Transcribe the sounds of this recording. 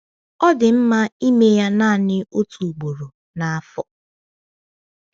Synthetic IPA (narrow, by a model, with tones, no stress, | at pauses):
ɔ˦dɪ˨m̩˦ma˦i˦me˦ja˦na˦˨nɪ˦o˦tʰu˨ɡ͡bo˨ɾo˨ | na˨a˦fɔ˨